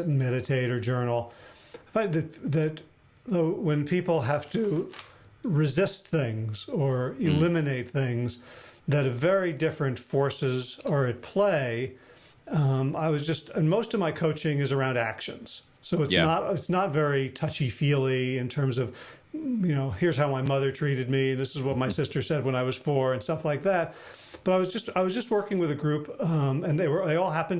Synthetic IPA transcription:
n̩mɛɾɨtʰeɪɾə˞d͡ʒɜ˞nl̩ˠ | fãɪ̃nðɨðɨt̚ | ðoʊwɨ̃npʰipl̩ˠɦæftʰɨ | ɹɨzɪst̪̚θɪ̃ŋzə˞ɪlɪ̃mɨneɪt̪̚θɪ̃ŋzðɨɾɨvɛɹidɪfɹɨ̃ntfɔɹsɪzə˞ɨt̚pʰl̥eɪ | ʌ̃maɪwʌzd͡ʒʌstɨ̃nmoʊstʌvmaɪkʰoʊt͡ʃɪ̃ŋɨzə˞ãʊ̃ndækʃɨ̰̃nz̥ | soʊɨtsnəɾɨtsnətvɛɹitʰʌt͡ʃifilˠiɨ̃ntʰɜ̃˞mzʌv̥ | jɨnoʊhɪɹz̥haʊmaɪmʌðə˞tʰɹ̥iɾɨd̚miɨ̃nðɪsɨzwʌt̚maɪsɪstə˞sɛd̚wə̃ñaɪwʌz̥fə˞ɨ̃nstʌflaɪk̚ðæt̚ | b̥ʌɾaɪwʌzd͡ʒʌst̚aɪwʌzd͡ʒʌst̚wɜ˞kɪ̃ŋwɨðɨɡɹʉpmɨ̃nðeɪwə˞ðeɪɔlˠɦæpɨ̃n

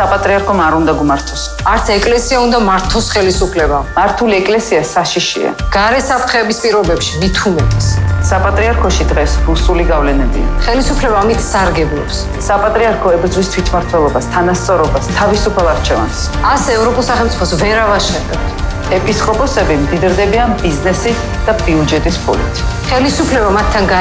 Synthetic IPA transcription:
sapʼat̪ʼɾiaɾkʰɔmaɾund̪aɡumaɾt̪ʰɔ̥s | aɾt̪sʰɛkʼlɛsiaund̪amaɾt̪ʰɔsχɛlisupʰlɛbamaɾt̪ʰuliɛkʼlɛsiasaʃiʃḭa̰ɡ̥aɾɛsapʰɾt̪χɛːbispʼiɾɔbɛpʃimit̪ʰumɛt̪ʼɛssapʼat̪ʼɾiaɾkʰɔʃid̪ʁɛsɾusuliɡavlɛnɛbḭa̰χɛlisupʰlɛbaːmit̪ʰsaɾɡɛblˠɔ̰ps | sapʼat̪ʼɾiaɾkʰɔɛbɾd̪zwist̪ʰwit̪ʰmaɾt̪ʰwɛlˠɔbast̪ʰanast̪sʼɔɾɔbast̪ʰavisupʰalˠaɾt͡ʃʰɛva̰ns | asɛːvɾɔpʼulˠsaχɛlˠt̪sʼi̥pʰɔsvɛɾavaʃɛdɛ̰pt̪ʰ | ɛpʼiskʼɔpʼɔsɛbimd̪id̪ɾd̪ɛbianbiznɛsi | d̪̥abiud͡ʒɛt̪ʼispʰṵlḭt̪ʰχɛlisupʰlɛbamat̪ʰːanɡa

